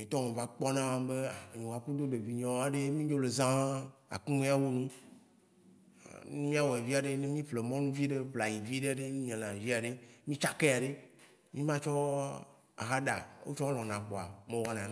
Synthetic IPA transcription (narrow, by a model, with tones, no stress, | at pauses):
mĩ˨t̪ɔ˦mɔ̃˨va˨˦k͡pɔ˦nã˦mã˦mbe˦˨ɲũ˨wa˨ku˦d̪o˦ɖe˨vi˨ɲɔ̃˨˦wa˨ɖe˦mĩ˦d͡ʒo˦le˨zã˦a̰˨kũ˦nẽ˦a˦wo˦nũ˦˨ | nũ˦mĩ˦a˦wɔ˨e˨vi˦a˨ɖe˦ne˦mĩ˦ɸle˨mɔ̃˦nũ˦vi˦ɖe˦bla˨jĩ˨vi˦ɖe˦ɖe˦mĩ˦ɲẽ˨lã˨vi˦a˨ɖe˦mĩ˦t͡ʃa˦ke˦a˨ɖe˦ | mĩ˦mã˦t͡ʃɔ˦ | a̰˨ɦa˦ɖa̰˨wo̰˦t͡ʃɔ˦lɔ̃˨nã˨k͡pɔ˨a̰˨mẽ˨wɔ˦nã˨